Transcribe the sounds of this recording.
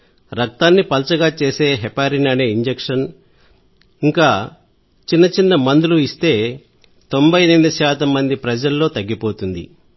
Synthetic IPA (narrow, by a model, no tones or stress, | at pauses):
ɾɐk̚t̪aːnːipɐlt͡ʃɐɡaːt͡ʃe̞ːse̞ːɦɛpaːɾinɐneːiɲd͡ʒekʂɐn | iŋkaː | t͡ʃinːɐt͡ʃinːɐmɐnd̪uluist̪e̞ː | t̪o̞mbʱɐjniʋd̪ɐʃaːt̪ɐmːɐnd̪ipɾɐd͡ʒɐlːo̞ːt̪ɐɡːipo̞ːt̪und̪ḭ